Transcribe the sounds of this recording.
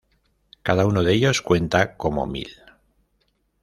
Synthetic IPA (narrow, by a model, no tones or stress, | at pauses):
kaðaunoðe̞ʎo̞skwe̞nt̪ako̞mo̞̰mḭl